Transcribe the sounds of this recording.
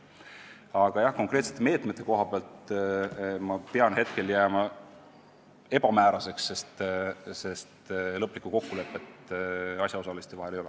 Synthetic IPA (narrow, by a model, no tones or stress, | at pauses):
ɑɡ̥ɑjɑhko̞ŋkret̪set̪eme̞ːt̪ˑme̞t̪ːˑe̞ko̞ɦɑpeɑlt̪ | mɑpeɑnhe̞t̪ke̞ljæːmɑ | e̞b̥ɑmæːɾɑse̞ksːe̞st̪se̞st̪lɤpːlikːˑuko̞kːule̞pːˑe̞t̪ɑɕsʲjɑo̞sɑlist̪evɑɦele̞jole